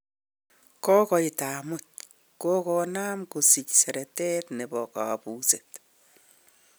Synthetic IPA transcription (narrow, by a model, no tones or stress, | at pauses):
kɔkɔitaːmʊt̚ | kɔkɔnaːmkosicsɛɾɛtɛt̪nebɔka̰puːset